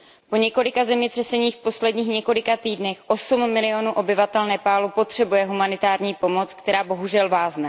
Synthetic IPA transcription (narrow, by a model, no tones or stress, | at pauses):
po̞ɲɛko̞lɪkazɛmɲɛt̪r̥ɛsɛɲiːxfpo̞slɛdɲiːxɲɛko̞lɪkat̪iːdnɛxʔo̞sumːɪlɪo̞nuʔo̞bɪvat̪ɛlnɛːpaːlupo̞t̪r̝̥ɛbujɛɦumanɪt̪aːɾɲiːpo̞mo̞t͡skt̪ɛɾaːbo̞ɦuʒɛlvaːznɛ